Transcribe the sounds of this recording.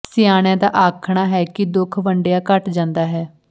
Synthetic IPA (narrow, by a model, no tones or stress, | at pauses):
sɪjaːɽ̃jãːd̪aːʔaːkʰɳ̃aːɦɛːkɪd̪ʊkʰʋəɳɖejaːkəʈd͡ʒãːnd̪aːɦɛː